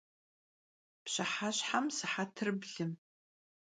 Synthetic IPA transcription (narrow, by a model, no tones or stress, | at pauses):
pɕʷaħaʃʷħamsaħatʰrɨbɮɨm